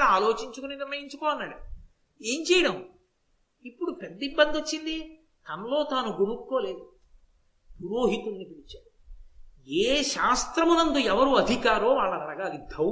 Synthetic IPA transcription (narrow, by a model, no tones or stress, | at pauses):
aːlo̞ːt͡ʃiɲt͡ʃukuniniɾmɐjiɲt͡ʃukoːɐnːaːɽu | e̞ːmt͡ʃɛːjɐɽɐm | ipːuɽuped̪ːɐibːɐnd̪iot͡ʃːind̪i | t̪ɐnɐlo̞ːt̪aːnuɡunukːo̞ːle̞ːd̪u | puɾoːɦit̪unːipiɽit͡ʃaːɽu | eːʃaːst̪ɾɐmunɐnd̪uɛʋɐɾuɐd̪ʱikaːɾoːʋaːɭːɐnɐɾɐɡaːd̪id̪ʱɐ